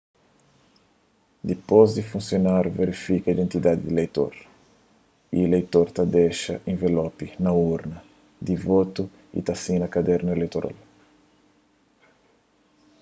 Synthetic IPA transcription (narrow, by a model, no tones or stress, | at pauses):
d̪ipozd̪ifũnsjonaɾveɾifikɐid̪ẽnt̪id̪ad̪id̪ilejt̪o̰ɾ | ḭelejt̪oɾt̪ad̪eʃɐʔẽvelɔpinɐuɾnɐ | d̪ivot̪u | ḭt̪asĩnɐkad̪ɛɾnuelejt̪oɾʔa̰l